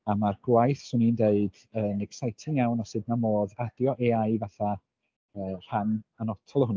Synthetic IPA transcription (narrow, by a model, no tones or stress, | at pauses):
amarɡwajθsʊnindeɨd̥ | ənɛksajtʰɪŋjɛwnasɨdnamoːðadjɔʔeajvaθa | əːr̥ananɔtʰɔlˠhʊn